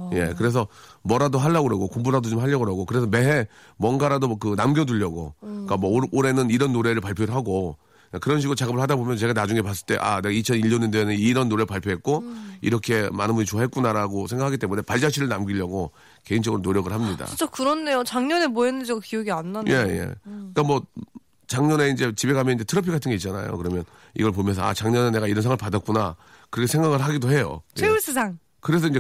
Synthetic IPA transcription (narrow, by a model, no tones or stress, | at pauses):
je̞kɯɾe̞s̬ʰʌmwʌɾadoɦaɭːaɡoɾaɡokumbuɾadot͡ɕomɦaʎːʌɡoɾaɡokɯɾe̞s̬ʰʌme̞ɦe̞ | mwʌnɡaɾadokɯnamɡʲjʌduʎːʌɡo̰k͈amwʌoɾe̞nɯniɾʌnːoɾe̞ɾɯɭpaɭpʰjoɾɯɭɦaɡo | akɯɾʌnɕ̬ʰiɡɯɾot͡ɕaɡɯmɯɭhadabomjʌnt͡ɕe̞ɡanad͡ʑuŋe̞pas͈ɯɭt͈e̞̰ʔa̰neɡait͡ɕʰʌniʎːʌnindeːnɯniɾʌnːoɾe̞ɭpaɭpʰjoɦe̞t̚k͈oḭɾʌkʰe̞manɯnbuɲit͡ɕoaɦe̞t̚k͈unaɾaɡosʰe̞ŋɡakʰaɡit͈emune̞paɭd͡ʑaɕʰiɾɯɭnamɡiʎːʌɡo | ke̞ind͡ʑʌɡɯɾonoɾjʌɡɯɭhamɲida̰it͡ɕ͈akɯɾʌnːe̞jot͡ɕaŋɲʌnemwoenːɯnd͡ʑiɡakijʌɡianːanje̞jḛk͈amwʌ | t͡ɕaŋɲʌneind͡ʑe̞t͡ɕibeɡamjʌniɲd͡ʑetʰɯɾʌpʰiɡatʰɯnɡeit̚t͡ɕ͈ana̰jo̰kɯɾʌmjʌn | ḭɡʌɭp̬omjʌnsʰʌa̰t͡ɕaŋɲʌnene̞ɡaiɾʌnsʰaŋɯɭpadat̚k͈unakɯɾʌkʰesʰe̞ŋɡaɡɯɭɦaɡidoɦe̞jo̰jeus͈ɯsʰaŋ | kɯɾe̞s̬ʰʌind͡ʑe